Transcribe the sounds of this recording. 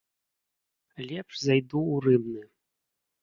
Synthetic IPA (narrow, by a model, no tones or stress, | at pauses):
lʲɛpʂzajd̪uːrɨbnɨ